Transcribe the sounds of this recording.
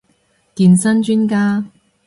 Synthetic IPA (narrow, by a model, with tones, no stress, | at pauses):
kiː˨nsɐ˥nt͡ʃyː˥nkaː˥